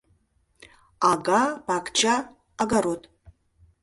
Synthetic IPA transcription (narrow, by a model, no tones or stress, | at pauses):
aɡapakʰʼt͡ʃʰʼaː | ɡaɾotʼ